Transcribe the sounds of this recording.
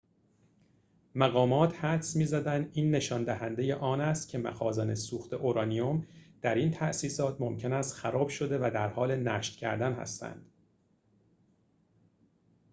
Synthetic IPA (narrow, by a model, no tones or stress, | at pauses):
mæɣɒːmɒːt̪ʰhæd̪smiːzæd̪ænd̪iːnːe̞ʃɒːnd̪æɦænd̪e̞je̞ʔɒːnæst̪cʰe̞mæ̰xɒːzɒnesuːxt̪ʰe̞ʔoɾɒːnijo̞md̪̥æɾiːnt̪ʰæʔsiːsɒːt̪ʰmo̞mcʰe̞næst̪xæɾɒːb̥ʃo̞d̪e̞væd̪æɾhɒːle̞næːʃt̪cʰæ̰ɾd̪ænhæ̰st̪æ̰nd̪̥